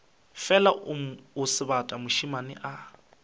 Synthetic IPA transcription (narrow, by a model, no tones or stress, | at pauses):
fɛlaʊsɪbatʼamʊʃimanɪ̰ʔa